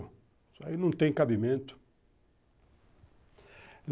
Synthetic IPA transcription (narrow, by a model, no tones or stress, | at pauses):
ʊ | sinɐ̃w̃t̪ẽj̃kabimẽnt̪ʊ̥ | l